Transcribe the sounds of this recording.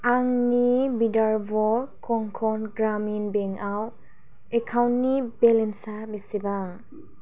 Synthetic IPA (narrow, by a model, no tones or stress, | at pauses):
aŋnibidaɹbɔkʰɔŋkʰɔnɡɾaminbɛŋaw | ɛkʰawnːibɛlɛnsabesiba